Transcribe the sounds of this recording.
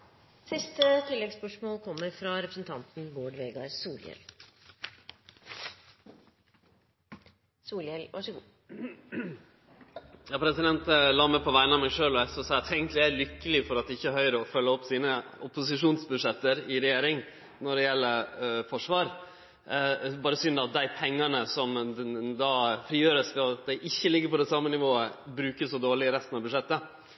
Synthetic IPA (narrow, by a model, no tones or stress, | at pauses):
sɪst̪ət̪ʰɪlːɛɡspœʂmoːlkʰɔmːəɾfɾɑɾɛpɾəsn̩t̪ʰɑnt̪n̩boːɖʋeːɡɑɾsuːljɛ̰l | suːljɛlʋɑʂəɡuː | jɑːpʰɾɛsɪd̪ɛnt̪lɑːmɛpʰɔʋæɪnɑmæɪʂøːlɔɛsɔsɑːɑt̪ʰeɪɡənt̪lɪæɾlʏkːəlɪfɔɾɑt̪̚d̪ɛɪçːəɦœʏɾəɔfœlːəɔpːsiːnəʊpʊsɪʂuːnsbʉd̪ʂɛt̪ːəɾɪɾɛjeːɾɪŋ | nɔɖɛjɛlːəɾfɔʂʋɑːɾ | bɑːɾəsʏnːɑt̪̚d̪æɪpʰɛŋːɑnəsɔmd̪ɑːfɾiːjøːɾəsʋɑd̪æɪʔɪçːəlɪɡːəɾpɔd̪ɛsɑmːənɪʋoːəbɾʉːkəssɔd̪oːɭɪɾɛst̪ənɑʋbʉʂɛt̪ːə